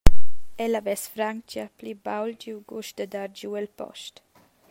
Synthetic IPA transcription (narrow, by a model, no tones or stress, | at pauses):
ɛlavɛsfɾaŋt͡ʃaplibawld͡ʒiwɡuʃd̪əd̪aɾd͡ʒuɛlpɔ̰ʃt